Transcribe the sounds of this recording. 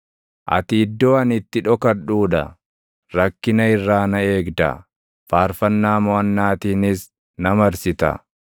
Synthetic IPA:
ʔɐ̰t̪ɪːd̪ːoːɐnɪt̪ːɪᶑɔkɐᶑuːᶑɐ̰ | ɾɐkːɪnɐɪrːaːnɐe̞ːɡd̪ɐ̰ | faːɾfɐnːaːmɔɐnːaːt̪iːnɪs | nɐmɐɾsɪt̪ɐ̰

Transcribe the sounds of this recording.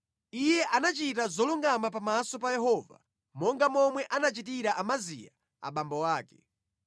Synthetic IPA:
ijɛʔanat͡ʃit̬azɔluŋɡamapamasɔpajɛɦɔːva̰ | mɔŋɡamɔmwɛʔanat͡ʃit̬iɾaʔamazija̰ | a̰ɓambɔwaːkɛ̥

